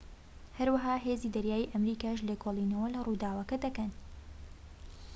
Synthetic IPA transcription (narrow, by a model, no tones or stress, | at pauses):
hɐɾwɐɦaːɦeːziːd̪ɐɾjaːjiʔɐmɾiːkaːʃleːkʰoːlˠiːnɐwɐlɐrud̪aːwɐkɐd̪ɐkɐn